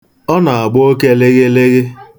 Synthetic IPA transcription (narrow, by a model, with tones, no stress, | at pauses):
ɔ˦na˨a˨ɡ͡bo˦ke˦le˦ɣe˦le˦ɣe˦